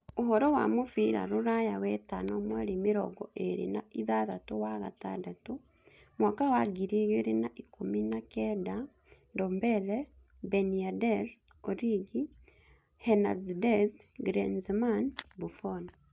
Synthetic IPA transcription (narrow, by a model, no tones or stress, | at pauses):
uɦɔɾɔwa̰mufiɾa̰ɾuɾajawɛtanomweɾimiɾɔ̰ɡɔʔeɾḭnaiðaðatuwaɣa̰ta̰ndatu | mwaːkawaɡiɾiɣeɾinaʔikuminakɛda | ndoːmbɛlɛ | beniadɛɾ | oɾiɡi | hena̰ddezɡɾenzmanbufon